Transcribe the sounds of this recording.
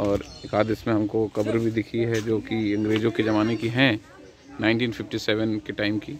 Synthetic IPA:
ɔːɾekaːd̪ɪsmẽɦɐmkokɐbɾbʱid̪ɪkʰiɦɛd͡ʒoːkiɐ̃ŋɡɾeːd͡ʒõked͡ʒɐmaːnekiɦɛ̃ | naːɪ̃nʈiːnfʰɪfʈisɛːʋənkeʈaːɪmkiː

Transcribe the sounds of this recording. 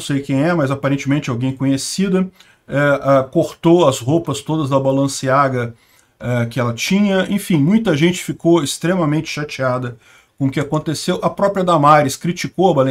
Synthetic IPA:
sejkẽj̃ɛmɐzapaɾẽnt͡ʃɪmẽnt͡ʃɪawɡẽj̃kõɲesid̪ɐ | ɛakoɾt̪owɐzhowpɐst̪od̪ɐzd̪ɐbalɐ̃siaɡɐ | ɛkɪɛlɐt͡ʃĩɲɐḛ̃fĩmũj̃t̪ɐʒẽnt͡ʃɪ̥fikowɪst̪ɾemɐmẽnt͡ʃɪ̥ʃat͡ʃiad̪ɐ | kõʊkɪakõnt̪esewʔɐpɾɔpɾiɐd̪amaɾɪskɾit͡ʃikowɐbalẽ

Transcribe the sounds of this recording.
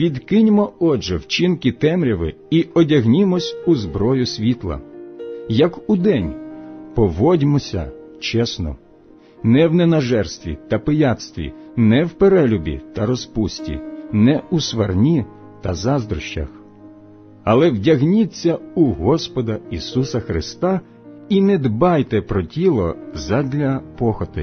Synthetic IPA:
ʋʲid̪kɪnʲmɔɔʒɛwt͡ʃinkit̪ɛmɾʲɐʋɪ̰ | iɔdʲɐɦnʲimɔsʲuzbɾɔjʊsʲʋʲit̪lˠɐ̰ | jɐkud̪ɛnʲpɔʋɔdʲmɔsʲɐ̰t͡ʃɛsnɔ̰ | nɛwnɛnɐʒɛrst̪ʋʲḭt̪ɐpɪjɑt̪st̪ʋʲḭnɛwpeɾɛlʲʊbʲḭt̪ɐɾɔspusʲtʲḭnɛusʋɐrnʲi | t̪ɐzɑzd̪ɾʊʃt͡ʃɐ̰x | ɐlˠɛwdʲɐɦnʲit͡sʲːɐuɦɔspɔd̪ɐisusɐxɾɪst̪ɑ | inɛd̪bɑjt̪ɛpɾɔtʲilˠɔzɐdʲlʲɐpɔxɔt̪ɪ̰

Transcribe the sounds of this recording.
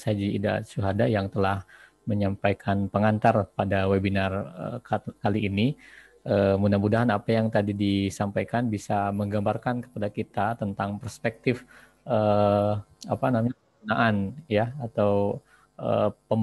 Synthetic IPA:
sad͡ʒiida̰t͡ʃuɦadajaŋt̪əlah | məɲampajkʰanpəŋant̪arpadawebinarə̰kaliːni | ʔəmunamudaɦanapajaŋt̪adidisampajkanbisaməŋɡambarkankə̥padakit̪at̪ənt̪aŋpərspɛk̚t̪ɪf | ʔə | apanamaɲ | unaʔanjaat̪aw | ʔə̰pəm

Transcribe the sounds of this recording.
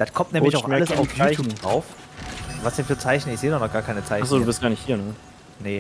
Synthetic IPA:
d̥at̚kʰɔmtnɛːlɪçaʊxʔaləsaʊft͡saɪndʁaʊf | vasd̥ɛnfyːɐt͡saɪçn̩ɪçz̥eːədɔχnɔχɡ̥aːɐkʰaɪnət͡saɪaχsz̥oːdubɪstɡ̥aːɐnɪçhiːɐnə | nə

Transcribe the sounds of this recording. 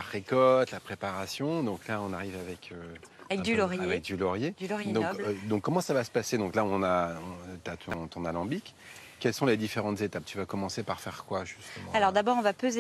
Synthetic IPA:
aʁekɔt̪lapχepaʁasjɔ̃d̪ɔ̃klaɔ̃naʁivavɛkʰøvɛkd̪ylɔʁjaevɛk̚d̪ylɔʁjed̪ylɔʁjd̪ɔ̃kbd̪ɔ̃kːɔmɑ̃savasə̥pased̪ɔ̃klaɔ̃naɔ̃t̪at̪ʰɔ̃t̪ʰɔ̃nalɑ̃bik | kʲːɛlsɔ̃led̪ifeʁɑ̃t̪zet̪ap̚t̪yvakɔmɑ̃sepaʁfɛʁkwaʒyst̪əmɑ̃alɔʁd̪abɔʁɔ̃vapøze

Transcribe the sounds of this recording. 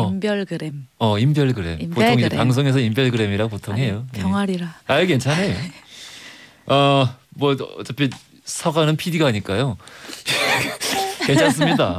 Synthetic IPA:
ʌmbjʌɭɡɯɾemʌimbjʌɭɡɯɾe̞̰mpotʰoŋid͡ʑeɾaŋs̬ʰoŋe̞s̬ʰʌimbjʌɭɡɯɾe̞miɾaɡopotʰoŋɦe̞jojʌŋaɾiɾaake̞nt͡ɕʰanejo | amwʌʌ̰t͡ɕ͈ʌpʰi | sʰʌɡanɯnpʰidiɡaɦaɲik͈ajo | kent͡ɕʰans͈ɯmɲida

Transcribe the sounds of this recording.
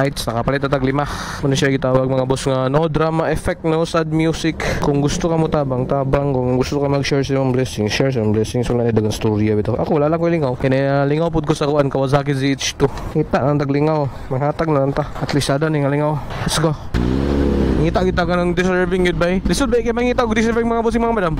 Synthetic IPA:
ajt̪snɐkɐpɐlɛt̪ːɐt̪ɐɡlɪmah | mɐnɐʃaiɡɪt̪aːwɐɡ̚mɐŋabosŋɐnod̪ɾamaʔɛfɛk̚t̪̚nosad̪̚mjuːsɪkkʊŋɡʊst̪okɐmʊt̪aːbɐŋt̪aːbaŋkʊŋɡʊst̪okɐmɐɡʃɛɹsɪmaŋblɛsɪŋʃɛɹs̬ɪmaŋblɛsɪŋsʊlaʔnɐd̪ɐɡaŋst̪uɾjɐbɪt̪oʔɐkowɐlaʔlɐŋkolɪŋawkɐnɛalɪŋawp̬ʊd̪̚kosɐkʊʔankɐwɐzak̬ɪziʔɪt͡ʃt̪uiːt̪aʔnɐŋt̪ɐɡlɪŋaw | mɐɡhaːt̪ɐɡ̚nɐlɐŋt̪aʔɐt̪lisaːd̪anɪŋɐlɪŋawɐsɡo | ŋiːt̪aʔɡɪt̪ːaɡɐnɐŋd̪ɪsɛɹvɪŋɡʊd̪̚bajlɪsʊd̪̚bajkɐjamɐŋiːt̪aʔkoɡ̚d̪ɪs̬ɛvɛɾɪŋmɐŋabos̬ɪŋmɐŋamɐd̪am

